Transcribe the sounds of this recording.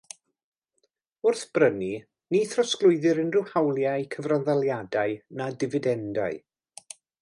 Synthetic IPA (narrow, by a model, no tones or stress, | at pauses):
ʊrθb̥rəni | niθrɔsklˠʊɨðɪɾənrɪwhawlˠjaɨkʰəvranðalˠjadaɨnadɪvɪdɛndaɨ